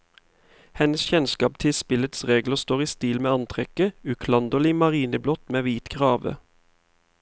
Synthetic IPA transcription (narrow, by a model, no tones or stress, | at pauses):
hɛnəsçɛnskɑːp̚t̪ʰɪspɪlət̪sʁeːɡləst̪oːʁiːst̪iːlmeːɑnt̪ʰʁɛkəʉkʰlɑnd̪ɔliːmɑʁiːnəblɔt̪meːʋiːt̪ɡʁɑːʋə̰